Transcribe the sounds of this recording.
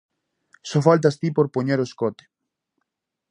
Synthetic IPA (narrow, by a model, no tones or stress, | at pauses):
sofalt̪ast̪ipoɾpoɲeɾoskot̪e̥